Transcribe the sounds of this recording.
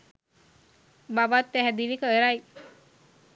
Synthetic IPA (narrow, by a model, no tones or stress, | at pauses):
babat̪ːæɦɛd̪inikəɾaj